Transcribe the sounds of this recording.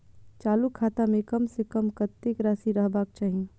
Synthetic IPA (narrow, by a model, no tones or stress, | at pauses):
t͡ʃaːlukʰːaːt̪amẽkɐmsekəmkət̪ːekɾaːsiɾəɦbaːk̚t͡ʃaːɦi